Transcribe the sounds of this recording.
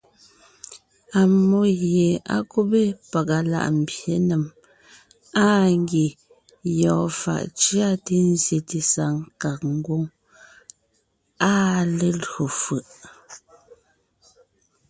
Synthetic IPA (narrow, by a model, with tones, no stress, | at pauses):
a˨mo˦ɣje˨a̰˦ko˦be˦pa˨ka˨la̰˨ʔm̩˨bje˨˦ne˨m | a˦ŋ˦ɡe˨ | jɔː˨fa̰˨ʔt͡ʃja˦te˦n˦zje˨ti˨sa˨ŋka˨k̚ŋ̩˦ɡwo˦ŋ | a˦le˦lo˨fɯ˨ʔ